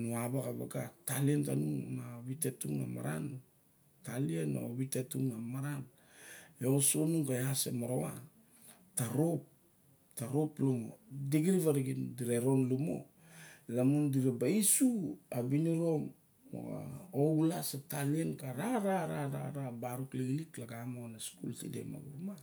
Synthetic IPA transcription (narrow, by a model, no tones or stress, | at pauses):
nuaβakaβa̰ɡatalientanunaβitetuŋa̰ma̰ɾa̰n | taliena̰oβitetuŋamaɾan | eosonuŋkajasḛmoɾoa̰ | taɾop̚ | taɾo̞plomo̰diɡiɾivaɾiɡindiɾeɾo̞nlumo̰ | lamundiɾabaisuabiniɾo̞m | o̰a̰owlasetalienkaɾaɾaɾaɾa̰ɾabaɾukleɡiliklaɡamonaskṵltḭdḛma̰ɡuma